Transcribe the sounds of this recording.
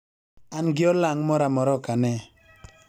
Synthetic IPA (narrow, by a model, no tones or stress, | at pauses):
anɡɪɔlaŋmɔɾamɔɾɔkanɛ